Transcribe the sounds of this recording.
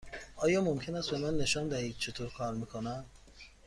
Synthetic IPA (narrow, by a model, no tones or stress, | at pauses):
ʔɒːjɒːmomcʰe̞næst̪be̞mænːe̞ʃɒːnd̪æhiːd̪̥̚t͡ʃʰe̞t̪ʰoːɾkʰɒːɾmikʰonæn